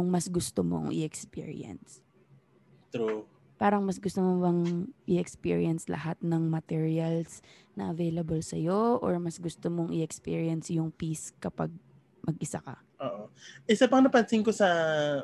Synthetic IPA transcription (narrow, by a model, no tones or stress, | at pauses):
ʊŋmɐsɡʊst̪omo̰ŋʔɪ̰ʔɛkspḭɹɪ̰ɐ̰ns | t̪ɾu | paːɾɐŋmɐsɡʊst̪omobɐŋʔɪɛkspḭɹiɐnslɐ̰hat̪nɐŋmɐt̪ɛɹiɐls | nɐʔɐvejlɐbɐlsɐjoʔɔɹmɐsɡʊst̪omoŋʔɪʔɛkspḭːɹjɐnsjʊŋpiskɐpaɡ̚ | mɐɡʔɪsa̰kɐ̰ | ʔoːʔoʔɪsapɐŋnɐpɐnsɪŋkosɐ